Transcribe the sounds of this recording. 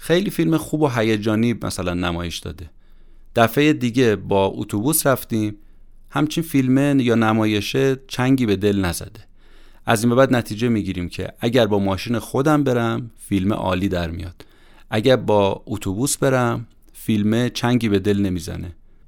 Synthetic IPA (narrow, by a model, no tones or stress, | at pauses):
xejliːfilmexuːboɦæjed͡ʒɒːniːmæ̰sælænːæmɒːjeʃd̪ɒ̰ːd̪e̞ | d̪̥æfejed̪iːɟe̞bɒːṵt̪ʰubuːsɾæft̪iːm | hæmt͡ʃʰinfilmejɒːnæmɒːje̞ʃet͡ʃʰæŋɟiːbe̞d̪e̞lnæzæ̰d̪e | ʔæziːmbebæːd̪næt̪ʰiːd͡ʒemiːɟiːɾiːmcʰe̞̰ʔæɟæɾbɒːmɒːʃiːnexo̞d̪æmbe̞ɾæmfilmḛʔɒ̰ːliːd̪æɾmḭjɒ̰ːd̪̥ | ʔæɟæɾbɒːut̪ʰubusbe̞ɾæm | filmet͡ʃʰæŋɟiːbe̞d̪e̞lne̞miːzæ̰ne